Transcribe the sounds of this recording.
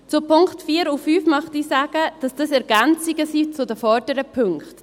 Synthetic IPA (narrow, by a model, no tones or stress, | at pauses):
t͡sʊpʰʊŋkχtfiːəɾufyːfmœχtiːsæːɡ̥əd̥ɑsd̥ɑsɛɾɡ̥ɛnt͡siɡəsit͡sʊdəfɔɾd̥əɾəpʰʏŋkχt